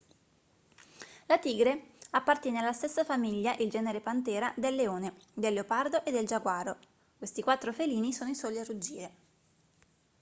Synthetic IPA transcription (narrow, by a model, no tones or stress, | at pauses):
lat̪iːɡɾeapːart̪jɛːnealːast̪esːafamiʎːaʔild͡ʒɛːneɾepant̪ɛːɾad̪elːeoːned̪elːeopard̪oʔed̪ːeld͡ʒaɡwaːɾo | kwest̪ikwat̪ːɾofeliːnisoːnoisɔːlarud͡ʒːiːɾe